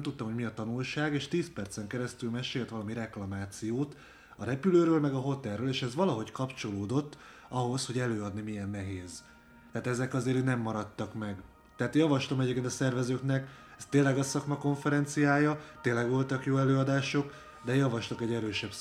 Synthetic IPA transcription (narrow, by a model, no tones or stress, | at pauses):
mt̪ut̪ːomɦomiɒt̪ɒnulʃaːɡeːʃt̪iːspɛrt̪sɛŋkɛɾɛst̪ylmɛʃeːlt̪ʋɒlɒmiɾɛklɒmaːt̪sijoːt̪ | ɒɾɛpyløːɾøːlmɛɡɒɦo̞t̪ɛlɾøːleːʃɛzʋɒlɒɦo̞ckɒpt͡ʃo̞loːd̪o̞t̪ː | ɒɦo̞sho̞ɟɛløːɒd̪nimijɛnːɛɦeːz | t̪ɛaːt̪ɛzɛkɒzeːɾynɛmːɒɾɒt̪ːɒkmɛɡ | t̪ɛaːt̪jɒvɒʃlo̞mɛɟeːpkːeːnt̪ɒsɛrvɛzøːknɛk | ɛst̪eːlːɛɡɒsɒkmɒko̞ɱfɛɾɛnt̪sijaːjɒt̪eːnlːɛɡʋo̞lt̪ɒkjoːɛløːɒd̪aːʃo̞k | d̪ɛjɒvɒʃlɒkɛɟɛɾøːʃɛb